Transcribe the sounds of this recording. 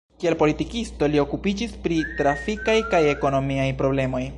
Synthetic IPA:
kie̞lpo̞litikisto̞lio̞kupid͡ʒispɾitɾafikajkaje̞ko̞no̞miajpɾo̞ble̞mo̞j

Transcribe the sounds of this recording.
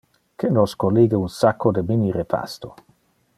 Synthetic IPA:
kenoskoliːɡeunsakːod̪əminiɾepʰa̰st̪o

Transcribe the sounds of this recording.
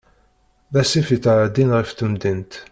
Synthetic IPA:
ðæsifit̪ːaʕəd̪inʁift̪əmd̪int̪

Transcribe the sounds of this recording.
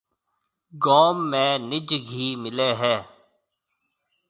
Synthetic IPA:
ɡoːmːẽːnɪd͡ʒɡʱiːmɪleːɦɛː

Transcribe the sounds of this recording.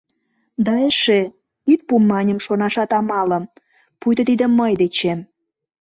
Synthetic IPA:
d̪ɑeʃe | yt̪̚pumːɑnʲəmʃonɑʃɑt̪ɑmɑlə̆m | pujd̪ɤ̆t̪id̪ə̆mːəjd̪et͡ɕem

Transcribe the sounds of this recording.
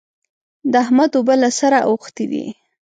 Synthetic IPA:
d̪əahmad̪obalasaɾaʔoxt̪id̪ḭ

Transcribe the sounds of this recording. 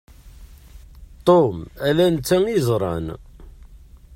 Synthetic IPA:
t̪ˤomælænt͡sːæŋizˤɾˤɑ̰n

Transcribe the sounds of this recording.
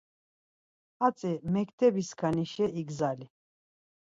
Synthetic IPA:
at͡sʼɛmɛkʰt̪ʰɛbiskʰaniʃɛiɡzali

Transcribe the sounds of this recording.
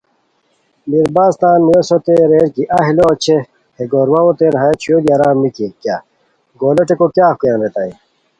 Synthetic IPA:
miɾbaːst̪aːnmujɐsot̪eɾeːɾkiʔɐɦiloɐt͡ɕʰe | heɡoːɾwɐwot̪eɾɦat͡ɕʰjoːd̪ijaɾaːmikikja | ɡoːlɐʈekokjaːfkujãːnɾet̪aːi

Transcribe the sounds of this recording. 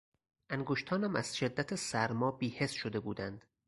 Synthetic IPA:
ʔæŋɡoʃt̪ʰɒːnæmæ̰z̥ʃe̞d̪ːæt̪ʰesæɾmɒːbiːhe̞sʃod̪e̞buːd̪ænd̪̥

